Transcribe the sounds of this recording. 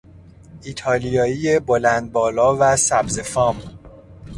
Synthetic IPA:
ʔiːt̪ʰɒːlijɒːiːjebo̞lænd̪̚bɒːlɒːvæsæbze̞fɒːm

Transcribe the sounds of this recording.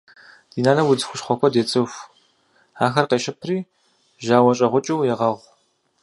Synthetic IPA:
d̥iːnaːnɐwʊd͡zɨxʷʊʃχʷɔkʷʰɔdeːt͡sʼɨfʷ | aːxɐrqeːʃɪpʰriː | ʒaːwɐɕʼɐʁʷʊt͡ʃʼɨwjɛʁɐʁʷ

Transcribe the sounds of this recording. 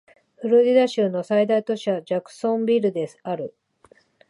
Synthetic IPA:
ɸɯ̟ɾɯd̪ʲid̪aɕɨːno̞said̪ait̪o̞ɕad͡ʑakɯ̟̥sõ̞mbʲiɾɯ̟d̪e̞sɨ̥aɾɯ̟

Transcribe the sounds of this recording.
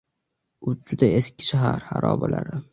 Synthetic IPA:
ʊd͡ʒʊd̪ajeskʲʰɪ̥ʃaɦaɾha̰ɾʔɒːbala̰ɾɪ

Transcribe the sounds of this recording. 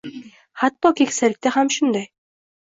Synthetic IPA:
hat̪ːɒkʲʰekʲsalɪk̚ʲt̪ahamʃʊnd̪aj

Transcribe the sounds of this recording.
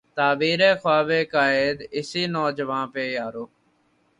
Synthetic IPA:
t̪aːbiːɾeːxwaːʋeːkaːeːd̪ɪsiːnɔːd͡ʒʋãːpeːjaːɾoː

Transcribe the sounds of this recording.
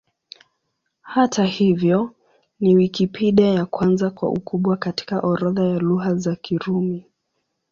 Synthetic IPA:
hatʰahivjɔ | niwikipʰiɗajakwanzakwa̰ʔṵkʰuɓwakati̥kaʔɔɾɔðajaluɦazakiɾumi

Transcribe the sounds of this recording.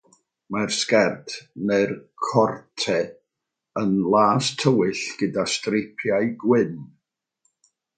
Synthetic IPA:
marskɛrtʰmɛrkʰɔrtʰɛ | ənlˠaːstʰːəwɪɬɡ̥ədastrɪpʰjajɡwɪn

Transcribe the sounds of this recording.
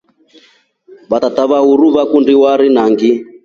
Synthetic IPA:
βat̪at̪aβauɾuβakundiwaɾinaŋɡi

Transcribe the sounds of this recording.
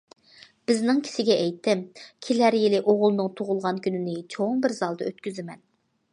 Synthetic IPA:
b̥ɪznɪŋkʲʰi̥sɪɡʲɛɛjt̪ːɪmkʲʰilæɾjɪlɪʔoʁʊlˠnɨŋt̪ʰoʁʊlˠʁɑnkʲʰynɪnɪt͡ʃʰoŋbɪɾzɑlˠd̪ɑøt̪kʲyzɪmɛn

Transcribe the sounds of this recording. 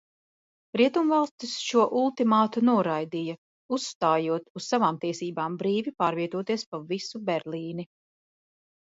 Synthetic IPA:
ɾiɛt̪umvalˠst̪isʃuɔʔulˠt̪imaːt̪unuɔɾajd̪ijɐ | usːt̪aːjuɔt̪ussavaːmt̪iɛsiːbaːmbɾiːvipaːɾviɛt̪uɔt̪iɛspavisubɛɾliːni

